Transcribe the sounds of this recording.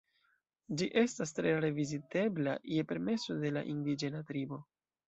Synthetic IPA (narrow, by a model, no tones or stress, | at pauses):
d͡ʒiʔe̞stastɾe̞ɾe̞vizite̞bla̰je̞pe̞ɾme̞so̞de̞la̰ʔindid͡ʒe̞natɾibo̞